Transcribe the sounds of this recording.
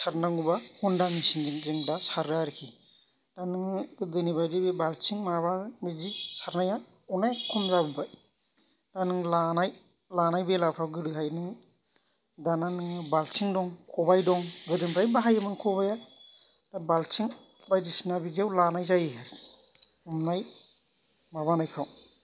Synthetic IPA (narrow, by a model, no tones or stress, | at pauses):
saɾnaŋubahɔndamisinziŋziŋdasaɾaɾɯkʰi | d̥anɯŋdɯnibajdibebalsiŋmaβabizisaɾnaja | ɔnajkʰɔmzabɯbaj | d̥anɯŋlanaj | lanajbelapʰawɡɯɾɯɦajnɯ | dananɯŋbalt͡ʃiŋdɔŋkʰɔbajdɔŋɡɯdɯmɾajbaɦajɯmɯnkʰɔbaja | d̥abalt͡ʃiŋ | bajdisinabiziawlanajzajiɦaɾkʰi̥ | umnaj | mabanajkʰaw